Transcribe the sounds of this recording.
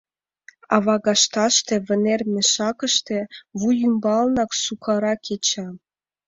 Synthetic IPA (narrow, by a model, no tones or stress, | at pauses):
ɑ̰βɑɡɑʃt̪ɑʃt̪ĕvʲɘ̆nermʲĕʃɑkɤ̆ʃt̪ĕvujymbɑlˠnɑksukʰɑɾɑkʲʰet͡ɕɑ